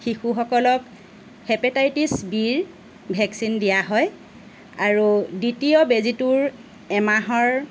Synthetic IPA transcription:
xixuxɔkɔlɔk | hɛpɛtajtisbiɹ | bʱɛksindijaɦɔj | aɹuditijɔbezituɹ | ɛmaɦɔɹ

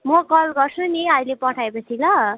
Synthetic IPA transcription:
mʌɡʌlɡʌrsʰuniʌilepʌʈʰaepʌt͡sʰilʌ

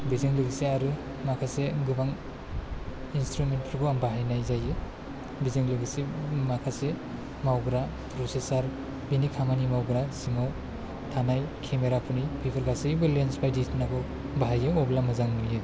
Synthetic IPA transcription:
bizɯŋlɯɡiseaɾɯ | makʰaseɡɯbaŋ | instɾumentɾɡɔambaɦajnajzajɯ | bizɯŋlɯɡisimakʰase | mawɡɾa | pʰɾosesaɾ | binikʰamanimawɡɾasiŋaw | tʰanajkʰemeɾapʰunipʰipʰɯɾɡasɯbɯlensbajdisnaɡɔ | baɦajɯɔblamɯzaŋmilɯ

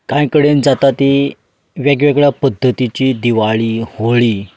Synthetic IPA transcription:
kãjkəɽend͡zat̪at̪i | ʋjaɡʋeɡɭjapəd̪ʱːət̪it͡ɕiːd̪iʋaɭiːhoɭiː

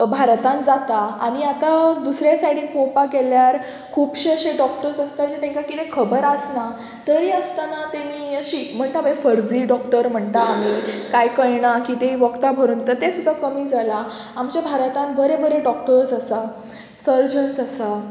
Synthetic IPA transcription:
bʱaɾt̪ãnd͡zat̪aaɽ̃iat̪ad̪usɾjasaɽ̤iːnpopakeljaɾ | kʰuːpɕeɕeɖɔkʈəɾsəst̪ad͡ʑet̪ʰẽŋkakit̪ekʰəbəɾasna | t̪əɾiəst̪anat̪emiːəɕiːm̤əɳt̪abẽfəɾd͡ziːɖɔkʈəɾm̤əɳt̪aːmikajkəjɳakit̪eiʋəkt̪abʱəɾuːnt̪əɾt̪esud̪ʱːakəmiːd͡zala | amt͡ɕjabʱaɾt̪ãnbəɾebəɾeɖɔkʈəɾsasa | səɾd͡ʑənsasa

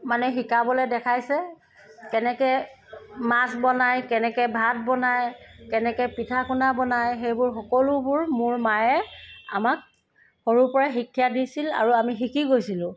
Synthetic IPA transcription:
manɛɦikabɔlɛdɛkʰajsɛ | kɛnɛkɛ | masbɔnajkɛnɛkɛbʱat̚bɔnajkɛnɛkɛpitʰakunabɔnajxejbʊɹxɔkɔlʊbʊɹmʊɹmajɛa̰mak̚ | xoɹupɔɹaxikʰːjadisila̰ɹuamixikʰiɡojsilʊ̃

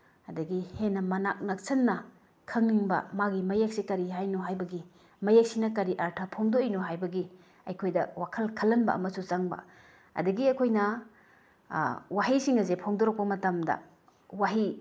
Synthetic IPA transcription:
ɐdɐɡihenːɐmɐnak̚nak̚sɐnːɐ | kʰɐŋniŋbɐ̰maɡimɐjak̚sikɐɾiɦajnoɦajbɐɡi | mɐjak̚sinɐkɐɾiʔaɾtʰɐpʰoŋdoijnoɦajbɐɡi | ɐjkʰojdɐwakʰɐlkʰɐlːɐnbɐ̰ɐ̰mɐsut͡ʃaŋbɐ̰ | ɐ̰dɐɡiɐkʰojnɐ | waɦisiŋɐzepʰoŋdoɾɔk̚pɐmɐtamdɐ̰ | waɦi

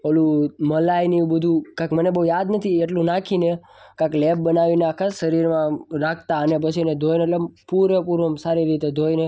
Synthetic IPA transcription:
olũməlajnibəd̪ʱukãkmənebəɦujad̪nət̪ʰieʈlũnakʰine | kãkleb̚bənaʋineakʰaʃəɾiɾmãɾakʰt̪aənep̬ət͡ʃʰined̪ʱojneʈlepuɾʋəpuɾʋəmsaɾiɾit̪ed̪ʱojne

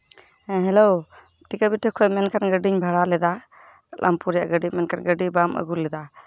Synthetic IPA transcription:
ɦɛlow | ʈikabiʈʰɛkʰɔjmɛnkanɡəɖiɲbʱaɽalɛd̪a | la̰mpuɾja̰ʔɡəɖimɛnkanɡəɖibamʔə̰ɡuɾlɛd̪a

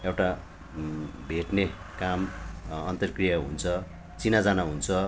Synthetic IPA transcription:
ewʈa | bʱeʈnekamʌnt̪ʌrkrijʌɦṵnt͡sʰʌ | t͡sinad͡zanaɦunt͡sʰʌ

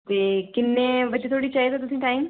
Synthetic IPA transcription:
t̪eːkɪnːeːʋəd͡ʒet̪ʰoːɽiːt͡ʃajzat̪ʊsĩːʈaːim

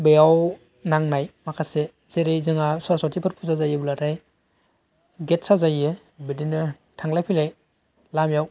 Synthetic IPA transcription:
bejaw | naŋnajmakʰase | zeɾejzɯŋasaɾsotipʰɯɾpʰuzazajɯblataj | ɡet̚sazajɯ | bidinɯ | tʰaŋlajpʰilaj | lamjaw

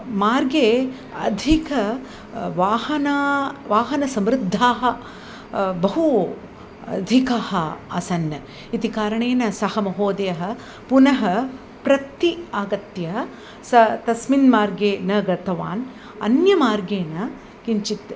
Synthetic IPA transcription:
maːɾɡeː | ɐ̰d̪ʱikɐ | ʋaːhɐnaːʋaːɦɐnɐsɐmɾɪd̪ʱːaːɦɐ̆ | bɐɦu | ɐ̰d̪ʱikaːhɐɐsɐnɐ | it̪ikaːɾɐɳeːnɐsɐhɐmɐɦoːd̪ɐjɐɦɐ̆ | punɐɦɐ | pɾɐt̪iaːɡɐt̪jɐ | sɐt̪ɐsminmaːɾɡeːnɐɡɐt̪ʰɐʋa̰ːn | ɐ̰njɐmaːɾɡeːnɐ | kiɲt͡ʃit̪ː

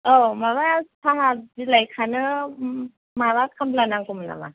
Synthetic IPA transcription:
ʔəmawat̪ʰaɦadilajkʰanɯ | mawakʰamlanaŋkumna̰ma̰

